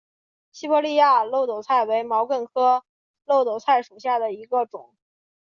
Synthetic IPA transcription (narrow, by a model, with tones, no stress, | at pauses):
ɕi˥pɔ˥˧li˥˧ja˥˧lo˥˩ʊt̪o˨˩ʊt͡sʰa˥˩ɪwe˧˥ɪmɑ˧˥ʊkwə˥˩nkʰɤ˥ | lo˥˩ʊo˨˩ʊt͡sʰa˥˩ɪʂu˨˩ɕja˥˩d̪ə˩i˧˥ɡə˧ʈ͡ʂʊ̰˨˩˦ŋ